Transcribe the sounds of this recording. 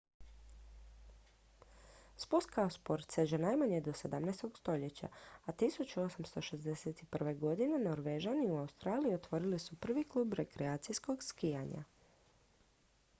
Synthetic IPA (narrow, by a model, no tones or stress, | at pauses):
sput̪kaospo̞ɾt̪se̞d͡ʑenajmaɲed̪o̞se̞d̪amnest̪o̞ɡst̪o̞ʎe̞t͡ɕa̰at̪isut͡ɕuo̞samst̪o̞ʃe̞zd̪eset̪iprʋe̞ɡo̞d̪ine̞no̞ɾʋeʒaniuaust̪ɾaːlijio̞t̪ʋo̞ɾilisupr̩ʋiklˠuːbɾe̞kɾeaːt̪sijsko̞ɡskijaɲa̰